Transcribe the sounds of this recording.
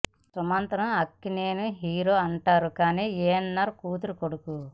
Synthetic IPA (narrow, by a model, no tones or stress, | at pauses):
sɐmɐnt̪ɐɾɐmɐkːineːnuɦiːɾoːɐɳʈaːɾukaːniːeːnːaɾkuːt̪uɾukoɽuku